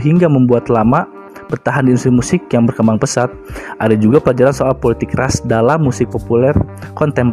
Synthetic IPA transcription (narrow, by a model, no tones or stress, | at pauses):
ɦiŋɡaməmbuat̪lama | pərt̪aɦandiinsimusɪkjaŋbərkəmbaŋpəsat̪̚ʔadad͡ʒuɡapəlad͡ʒaɾansoalpolit̪ɪkrasdalamːusɪk̚populɛrkɔnt̪ɛm